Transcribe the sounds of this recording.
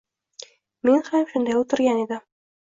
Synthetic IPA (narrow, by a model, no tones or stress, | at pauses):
minχæmʃɵ̆nd̪æjut̪ɘ̆ɾɡænid̪ɘ